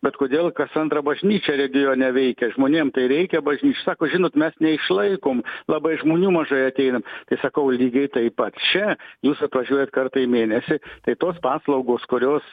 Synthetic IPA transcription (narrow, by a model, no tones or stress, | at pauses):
bʲɛt̪koːd̪ʲeːlˠkɐsɐnt̪ɾɐbɐʒʲnʲiːt͡ʃʲɛɾʲɛɡʲɪjoːnʲɛʋʲɛɪkʲɛʒmoːnʲeːmt̪ɐɪɾʲɛɪkʲɛbɐʒʲnʲiːt͡ʃʲɛsɑːkoːʒʲɪnoːt̪mʲɛsnʲɛɪʃlˠɐɪkoːmlˠɑbɐɪʒmoːnʲuːmɐʒɐɪɐt̪ʲɛɪnɐmt̪ɐɪsɐkɐʊlʲiːɡʲɐɪt̪ɐɪpɐt̪t͡ʃʲɛjuːsɐt̪ʋɐʒʲuɔjɛt̪kɐrt̪ɐɪmʲeːnʲɛsʲɪt̪ɐɪt̪oːspɑːslˠɐʊɡoːskʊɾʲoːs